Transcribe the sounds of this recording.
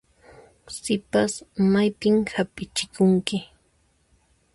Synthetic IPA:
sɪpasmajpɪmhapɪt͡ʃɪkʊŋkɪ

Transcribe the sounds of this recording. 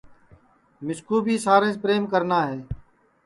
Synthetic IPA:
mɪskuːbʱiːsaːɾẽːspɾeːmkəɾnaːɦeː

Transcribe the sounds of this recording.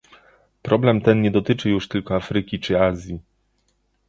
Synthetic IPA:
pɾɔblɛmt̪ɛnɲɛd̪ɔt̪ɘt͡ʂɘjuʂt̪ɘlkɔafɾɘkʲit͡ʂɘazʲji

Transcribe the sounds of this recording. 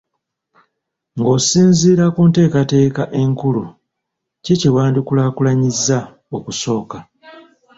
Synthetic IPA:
ŋɡo̞siːnziːɾakuːnte̞ːkate̞ːkaʔe̞ŋkulu | ciciwaːndukulaːkulaɲizːa | o̞kuso̞ːka

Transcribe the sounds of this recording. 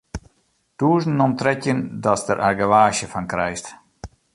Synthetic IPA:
d̥uːzn̩ːɔmtrɛcjəndɔsdəɾʔarɡəʋaːʃəfankɾɛjst

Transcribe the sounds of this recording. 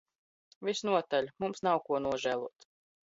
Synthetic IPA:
visnuɔt̪aʎʲmumsnawkuɔnuɔʒæːlˠuɔt̪

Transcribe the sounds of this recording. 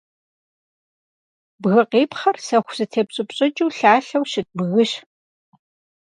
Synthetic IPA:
bɣɨqeːpχɐrsɐxʷzɨtʰeːpɕʼɪpɕʼɪt͡ʃʼuːɬaːɬɐwʃɪt̚bɣɨɕ

